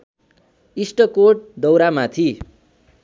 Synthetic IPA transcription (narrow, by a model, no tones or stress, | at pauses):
isʈʌkoʈ̚d̪ʌwɾamat̪ʰi